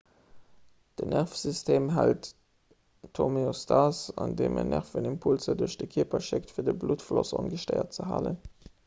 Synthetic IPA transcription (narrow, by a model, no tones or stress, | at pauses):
d̥ənæʁfsystʰeːmɦælt | tʰːomeostʰɑsɑndeːmənʔæʁfənimpʰulzəduɐʃd̥əkʰiːpɐʃɪktfiːɐdəbluːtflosɑnɡəʃtəɪɐt̚t͡səɦa̰ːlən